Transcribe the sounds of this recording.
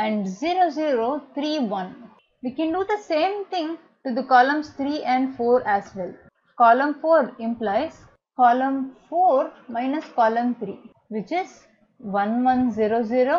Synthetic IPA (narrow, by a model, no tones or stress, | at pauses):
ɛ̃ɳɖziːɾoːziːɾoːt̪ʰɾiːʋʌ̃n | ʋiːkɛ̃nɖuːd̪əsẽːmt̪ʰɪ̃ŋ | ʈud̪əkɔːlə̃mst̪ʰɾiːʔɛ̃ɳɖfoːɾæsʋɛl | kɔːlə̃mfoːɾɪ̃mplaɪs | kɔːlə̃mfoːɾmaɪnəskɔːlə̃mt̪ʰɾḭː | ʋɪt͡ʃɪz | ʋʌ̃nʋʌ̃nziɾoːziːɾo